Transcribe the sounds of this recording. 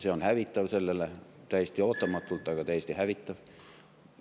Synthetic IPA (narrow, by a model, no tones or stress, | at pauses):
seonhæʋit̪ːæʋselːelːæ | t̪æjst̪ioːt̪ːɑmɑt̪ːult̪ːˑɑikɑt̪æjest̪ihæʋit̪ːæʋ